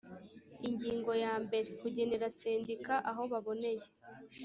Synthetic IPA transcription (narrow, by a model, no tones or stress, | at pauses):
iɲɟiːŋɡo̞jaːmbe̞ɾekuɟe̞ne̞ɾaseːndikaʔaɦo̞βaβo̞ne̞je̞